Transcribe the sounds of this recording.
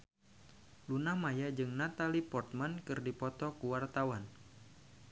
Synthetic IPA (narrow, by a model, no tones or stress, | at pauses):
lunahmajad͡ʒɨŋnat̪alipɔrt̪̚mankɨrdipɔt̪ɔkuwart̪awan